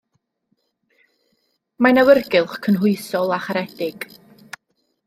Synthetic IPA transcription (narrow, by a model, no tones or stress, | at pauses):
manawərɡɪlˠχkʰənɦʊɨsɔlˠaχaɾɛd̥ɪɡ̥